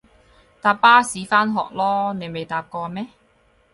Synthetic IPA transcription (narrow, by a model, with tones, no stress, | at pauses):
t̪aː˨˧pːaː˥siː˨˥faː˥nɦɔ̰ː˨k̚lɔː˥ne˨˧jme˨jt̪aː˧p̚kɔː˧mɛː˥